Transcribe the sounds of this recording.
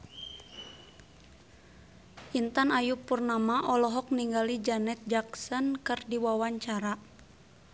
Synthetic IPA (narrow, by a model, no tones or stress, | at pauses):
ʔint̪anajupurnamaʔɔlɔɦɔk̚niŋɡalid͡ʒanɛt̪̚d͡ʒaksənkərdiwawaɲt͡ʃaɾa